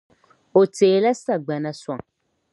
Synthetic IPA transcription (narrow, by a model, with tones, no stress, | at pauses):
o˨teː˨la˦sa˦˨ɡ͡ba˨nã˦swã˨ŋ